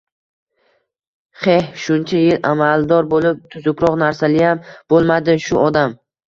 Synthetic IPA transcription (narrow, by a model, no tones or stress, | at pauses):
χehʃʊnt͡ʃʰajɪlʔamalˠd̪ɒɾbolɪp̚t̪ʰʊzʊkɾɒqnaɾsalɪjamb̥olˠmad̪ɪʃʊɒd̪am